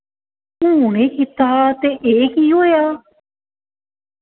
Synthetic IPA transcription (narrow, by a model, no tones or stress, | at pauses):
ũːɽẽːkit̪aːt̪eːʔeːkiːɦoːjaː